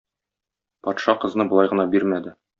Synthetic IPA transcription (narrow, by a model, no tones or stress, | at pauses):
pɒt̪ʃɑqɤ̆znɤbŏlˠɑjʁɤ̆nɑbiɾmæd̪ɘ